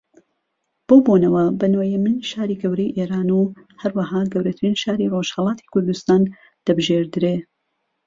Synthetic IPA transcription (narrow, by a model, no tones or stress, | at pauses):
b̥oːbonɐwɐbɐnojemɨnʃaːɾiɡɐwɾejʔeːɾaːnu | hɐɾwɐɦaːɡɐwɾɐt̪ʰɾinʃaːɾiroʃhɐlˠɑːt̪ʰi̥kʰʊɾd̪ust̪aːn | d̪̥ɐbɨʒeɾd̪ɨɾeː